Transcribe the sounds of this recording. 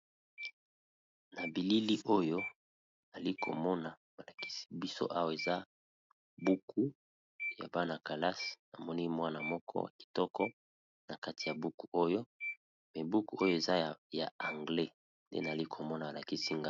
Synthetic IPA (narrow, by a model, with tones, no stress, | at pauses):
na˨bi˨li˦li˦ʔo˦jo˦ | na˨li˦kʰo̰˨mɔ˦na˨ | ba˨la˨ki̥˦si̥˦bi˦so̰˦ʔa˦wa˨e˨za˦ | bu˦kʰu˦ | ja̰˨ba˦na˨ka˨la˦sna˨mɔ˦ni˦mwa˦na˨mɔ˦kʰɔ̰˦wa̰˨ki̥˨tɔ˦kɔ˦ | na˨ka˦ti˨ja˨bu˦ku̥˨o˦jo˦ | mɛ˨bu˦ku˦o˦jo˦e˨za˦ja˨a˨ŋɡlɛ˦ | ndḛ˦na˨li˦kʰo˨mɔ˦na˨a˨la˨ki˦si˦ŋɡa˦